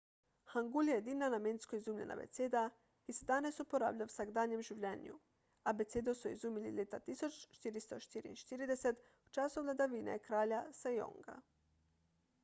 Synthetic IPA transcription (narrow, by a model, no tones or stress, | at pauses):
haŋɡuljed̪inanamenskoizuːmʎenʔa̰bḛt̪sed̪a | isd̪anesupoɾa̰ːvʎʲawsaɡd̪aːɲemʒuʋʎan̰jṵ | abet̪sed̪osuḭzumililʲet̪at̪isot͡ʃt͡ʃt̪iɾist̪ot͡ʃt̪iɾḭḭʃt̪iɾid̪eset̪ | ut͡ʃasovlʲad̪aʋiːna̰kɾaːʎasejo̰ŋɡa̰